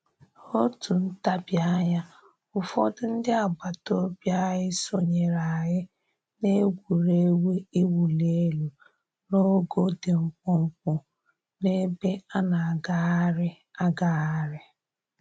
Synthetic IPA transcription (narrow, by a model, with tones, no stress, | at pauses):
o˦tu˨n̩˦ta˦bja˦ɲa˦ | ʊ˨fɔ˦dʊ˦n̩˦dɪ˦a˨ɡ͡ba˨to˦bja˦ɦɪ˦so˨ɲe˨ɾa˨ɦɪ˦ | ne˦ɡʷu˨ɾe˦we˦i˦wu˨le˦lu˨ | no˦ɡo˦de˨m̩˨k͡pʊ˦ŋ͡m̩˦k̚ʊ˨ | ne˦be˦a˦na˨a˨ɡa˦a˦ɾɪ˦ | a˦ɡa˨a˦ɾɪ˦